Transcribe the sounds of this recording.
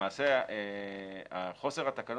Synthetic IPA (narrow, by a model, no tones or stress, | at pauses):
aːse | aχo̞seʁat̪akan